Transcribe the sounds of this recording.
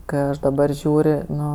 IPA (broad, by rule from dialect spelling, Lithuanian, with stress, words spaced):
kɜ ˈɐʃ dɐˈbɐr ˈʒʲuːrʲ ˈnʊ